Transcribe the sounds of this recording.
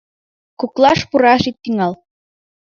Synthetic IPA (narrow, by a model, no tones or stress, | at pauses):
kuklɑʃpuɾɑʃit̪ːiŋɑl